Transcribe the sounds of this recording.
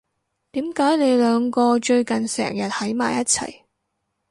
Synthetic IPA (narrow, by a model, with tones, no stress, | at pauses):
t̪iː˨˥mkaː˨˥jne˨˧jlœː˨˧ŋkɔː˧t͡ʃɵ˧ɥkɐ˨˩nsɛ̰ː˨˩ŋjɐ˨t̚hɐ˨˥jma̰ː˨˩jɐ˥t̚t͡sʰɐ̰˨˩j